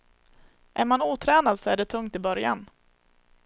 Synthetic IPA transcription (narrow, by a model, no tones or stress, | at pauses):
ʔæɾmanuːt̪ʰɾɛːnad̪sɔæɖɛt̪ʰɵŋt̪ɪbœɾja̰n